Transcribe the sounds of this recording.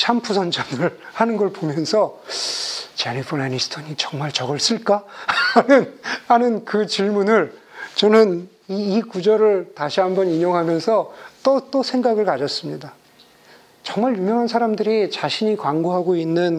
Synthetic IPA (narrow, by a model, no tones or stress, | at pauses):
t͡ɕʰampʰusʰʌnd͡ʑamɯɭhanɯnɡʌɭpomjʌnsʰʌ | t͡ɕanipʰɯanisʰtʰʌɲit͡ɕʌŋmaɭt͡ɕʌɡʌɭs͈ɯɭk͈anɯnhanɯnkɯt͡ɕiɭmunɯɭt͡ɕʌnɯn | iːkud͡ʑʌɾɯɭtaɕʰiɦambʌniɲoŋɦamjʌnsʰʌt͈ʌt͈osʰe̞ŋɡaɡɯɭkad͡ʑʌs͈ɯmɲida | t͡ɕʌŋmaɭjumjʌŋɦansʰaɾamdɯɾit͡ɕaɕʰiɲikwaŋɡoɦaɡoinːɯn